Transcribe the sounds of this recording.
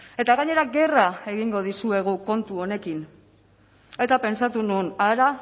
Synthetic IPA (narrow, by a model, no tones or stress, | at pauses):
e̞t̪aɣaɲe̞ɾaɡe̞rae̞ɣiŋɡo̞ð̞isue̞ɣ̞uko̞nt̪uo̞ne̞kin | et̪ape̞nsat̪ununaɾa